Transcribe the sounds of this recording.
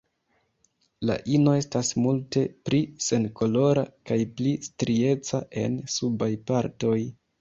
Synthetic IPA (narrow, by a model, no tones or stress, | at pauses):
la̰ʔino̞e̞stasmulte̞plise̞nko̞lo̞ɾakajplistɾie̞t͡saʔe̞̰nsubajpaɾto̞j